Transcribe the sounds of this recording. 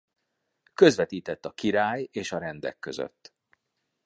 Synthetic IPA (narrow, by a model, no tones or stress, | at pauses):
kø̞zʋɛt̪iːt̪ɛt̪ːɒkiɾaːjeːʃɒɾɛnd̪ɛ̰kːø̞̰zø̰t̪ː